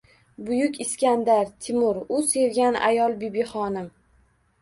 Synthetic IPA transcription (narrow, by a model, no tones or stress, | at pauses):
bʊjʊkʲɪskʲand̪aɾt̪ʰɪmʊɾʊse̞ɾɡʲana̰jɒlˠbibiχɒnɪm